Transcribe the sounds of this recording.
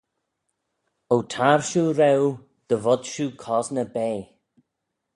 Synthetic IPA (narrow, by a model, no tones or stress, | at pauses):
owtʰaːɹʃuːɾɛw | d̪̥əvɔd̪ʃuːkʰɔznəbeː